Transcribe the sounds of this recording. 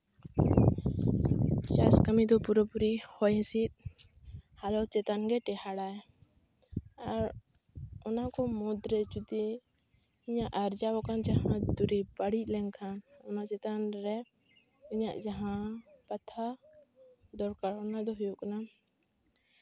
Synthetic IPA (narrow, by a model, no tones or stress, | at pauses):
t͡ʃaskəmid̪ɔpuɾɔpuɾihɔjɦɛ̃sit̪̚ˀ | halɔt͡ʃɛt̪anɡɛʈɛhaɽaɛ | aɾ | ɔnakɔmɔd̪ɾɛt͡ʃud̪i | iɲaʔaɾd͡ʒawɔkand͡ʒaɦãd̪uɾipəɽic̚ˀlɛŋkʰanɔnat͡ʃɛt̪anɾɛ | iɲa̰ʔd͡ʒaɦãpat̪ʰa | d̪ɔɽkaɽɔnad̪ɔɦujɔkana